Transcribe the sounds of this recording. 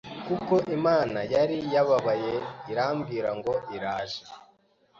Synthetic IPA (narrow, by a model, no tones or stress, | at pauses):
kuko̞ʔimaːnajaɾijaβaβajeiɾaːmɡiːɾaŋɡo̞ʔiɾaːʒe